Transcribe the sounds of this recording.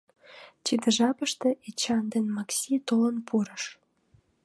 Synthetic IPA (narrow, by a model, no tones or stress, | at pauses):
t͡ɕid̪əʒɑpəʃt̪ĕʔet͡ɕɑnd̪enmɑksʲit̪olənpʰuɾəʃ